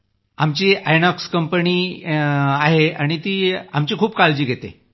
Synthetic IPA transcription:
amt͡ɕiːajnɔkskəmpəniː | aɦeaɽ̃it̪iːamt͡ɕiːkʰuːbkald͡ʑiːɡʱet̪ḛ

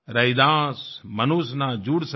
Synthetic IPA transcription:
ɾɐid̪ãːsmɐnusnaːd͡ʒuɽs

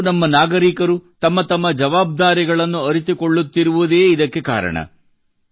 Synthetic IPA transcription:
nɐmːɐnaːɡɐɾiːkɐɾut̪ɐmːɐt̪ɐmːɐd͡ʒɐʋaːb̚d̪aːɾiɡɐɭɐnːuɐɾit̪̬ukoɭːut̪ːiɾuʋud̪e̞ːid̪ɐkːe̞ka̰ːɾɐ̰ɳɐ̰

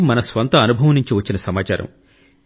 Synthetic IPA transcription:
mɐnɐsʋɐnt̪ɐːnubʱɐʋɐniɲt͡ʃiʋɐt͡ʃːinɐsɐmaːt͡ʃaːɾɐ̰m

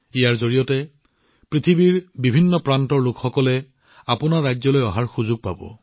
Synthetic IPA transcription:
ijaɹzoɹijɔtɛ | pɹit̪ʰibiɹbibʱinːɔpɹantɔɹlʊkxɔkɔlɛ | apʊnaɹːajzɔlojɔɦaɹxuzʊɡ̚pa̰bɔ̰

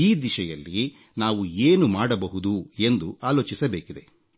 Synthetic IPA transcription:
iːd̪iʃɐjɐlːi | naːʋueːnumaːɽɐbɐɦud̪ue̞nd̪uaːlo̞ːt͡ʃisɐbeːkid̪e̞

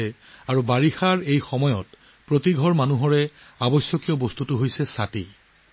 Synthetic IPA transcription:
ɛaɹubaɹixaɹejxɔmɔjɔt | pɹotiɡʱɔɹmanuɦɔɹɛabɔsjɔkijɔbostutuɦojsɛsati

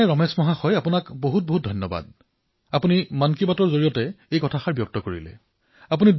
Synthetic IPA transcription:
ɛɹɔmɛsmɔɦaxɔjapunakboɦut̚boɦut̚dʱɔnːɔba̰d̚ | apunimankibatɔɹzoɹijɔtɛejkɔtʰaxaɹbijɔk̚tɔkoɹḭlɛ̰ | ap̬unid

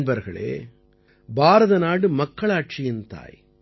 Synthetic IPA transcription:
nbɐɾɣɐ̰ɭḛː | baːɾɐðɐnaːɽɯmɐkːɐɭaːʈt͡ʃɪjɪnt̪a̰ːj

